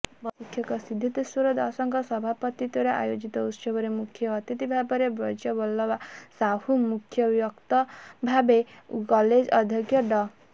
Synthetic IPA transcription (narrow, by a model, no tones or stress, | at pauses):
bɔsikʰjɔkɔsid̪ʱːit̪iswuɾɔd̪a̰sɔŋkɔsɔbʱapɔt̪it̪ɔɾɔʔa̰jod͡ʒit̪ɔut̪sɔbɔɾemukʰjɔːt̪jit̪ibʱabɔɾebɾɔd͡ʒjɔbɔlːɔʋasahumukʰjɔbjɔkt̪ɔbʱabekɔled͡ʒɔd̪ʱjɔɡjɔɖɔ